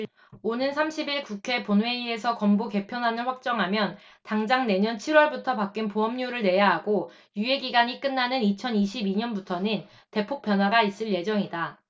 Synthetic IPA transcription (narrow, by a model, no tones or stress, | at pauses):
onɯnsʰamɕʰibiɭkukʰe̞ponwe̞ie̞sʰʌkʌmboke̞pʰjʌnɦanɯɭɸwak̚t͡ɕ͈ʌŋɦamjʌn | taŋd͡ʑaŋne̞ɲʌnt͡ɕʰiɾwʌɭbutʰʌpak͈inpoʌmɲuɾɯɭne̞jaɦaɡo | jue̞ɡiɡaɲik͈ɯnːanɯnit͡ɕʰʌniɕʰibiɲʌnbutʰʌnɯn | te̞pʰok̚p͈jʌnɦwaɡais͈ɯɭje̞d͡ʑʌŋida